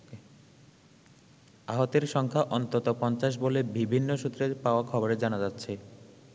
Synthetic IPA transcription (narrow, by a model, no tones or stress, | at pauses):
aɦot̪eɾʃɔŋkʰaʔɔnt̪ot̪opɔnt͡ɕaʃ̬bolebibʱinːoʃut̪ːɾeɾpaoakʰɔboɾed͡ʑanad͡ʑatːɕʰe